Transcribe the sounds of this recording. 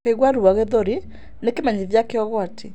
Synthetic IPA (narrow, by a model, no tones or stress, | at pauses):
eɣwaɾuaɣeðoɾi | nekemaɲiðjakeɔɣɔatʰe